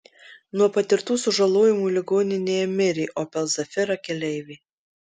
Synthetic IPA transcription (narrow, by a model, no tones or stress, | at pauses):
nuɔpɐt̪ʲɪɾt̪uːsʊʒɐlˠoːjɪmuːlʲɪɡoːnʲɪnʲeːjɛmʲɪɾʲɪːʔoːpʲɛlˠzɐfʲɪɾɐkʲɛlʲɛɪʋʲeː